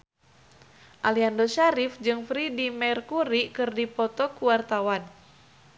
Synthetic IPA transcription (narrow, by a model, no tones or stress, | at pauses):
ʔaliandɔʃaɾifd͡ʒɨŋfɾidimɛrkuɾikɨrdipɔt̪ɔkuwart̪awan